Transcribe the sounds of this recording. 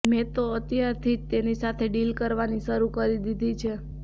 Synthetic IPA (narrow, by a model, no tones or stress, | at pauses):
mɛ̃t̪oət̪jaɾt̪ʰid͡ʒt̪enisat̪ʰeɖilkəɾʋaniʃəɾukəɾid̪id̪ʱit͡ʃʰe